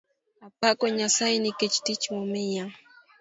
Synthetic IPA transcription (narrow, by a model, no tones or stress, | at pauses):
apakoɲasajnɪkɪt͡ʃt̪ɪt͡ʃmʊmɪjaŋ